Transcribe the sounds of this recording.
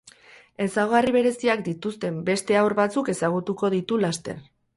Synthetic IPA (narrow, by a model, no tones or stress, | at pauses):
e̞saɣoariβ̞e̞ɾe̞siakd̪it̪ust̪e̞mbe̞st̪e̞awɾβat͡suke̞saɣ̞ut̪uko̞ð̞it̪ulast̪e̞̰r